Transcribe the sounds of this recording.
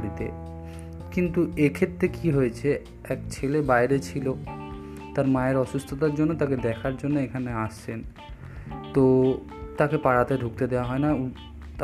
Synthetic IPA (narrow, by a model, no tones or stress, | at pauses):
ɽit̪ḛ | kint̪uekʰet̪ːɾekiɦojet͡ɕʰe | ɛkt͡ɕʰelebaeɾet͡ɕʰilo | t̪aɾmaeɾɔʃust̪ʰot̪aɾd͡ʑonːot̪aked̪ɛkʰaɾd͡ʑonːoekʰaneaʃt͡ɕʰen | t̪o | t̪akepaɽat̪eɖʱuk̚t̪ed̪eoaɦɔena